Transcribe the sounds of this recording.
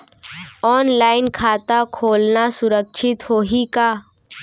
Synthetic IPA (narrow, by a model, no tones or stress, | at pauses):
ɔːnlaːɪnkʰaːt̪akʰoːlnasʊɾək̚t͡ʃʰɪt̪hoːɦikaː